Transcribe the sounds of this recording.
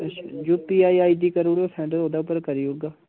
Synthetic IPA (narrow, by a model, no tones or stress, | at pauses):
ət͡ʃʰa̰d͡ʒʊpiːaːiaːiːd̪iːkəɾuːɽoːsʰɛ̃ːɳɖəɾɦoːd̪aːʊpːəɾkəɾiːoɡaː